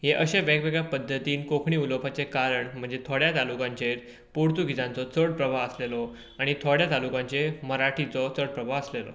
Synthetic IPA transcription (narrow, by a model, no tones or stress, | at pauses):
ɦeʔəɕeʋɛɡʋeɡapəd̪ʱːət̪iːnkokʰɳiːulopʰat͡sekaɾəɳm̤əɳd͡zet̪ʰoɽjat̪alukãɲt͡ɕeɾ | puɽt̪uɡʱid͡zãnt͡sɔt͡səɽpɾəʋʱaəslelɔ | aɽ̃it̪ʰoɽjat̪alukãɲt͡ɕeməɾaʈʰit͡sɔt͡səɽpɾəbʱaəslelɔ̰